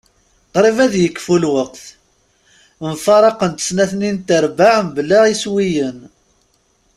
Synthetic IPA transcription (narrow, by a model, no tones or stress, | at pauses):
qɾˤivæðjəkːfulwəqθ | mfɑɾˤɑqənt̪ə̥snæθnint̪əɾbaʕmblaʁiswijən